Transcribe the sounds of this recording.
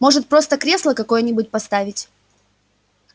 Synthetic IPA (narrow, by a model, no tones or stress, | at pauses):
mo̞ʐɨt̪̚pɾo̞st̪əkɾʲe̞slˠəkɐko̞jənʲɪbʊt̚ʲpɐst̪avʲɪtʲ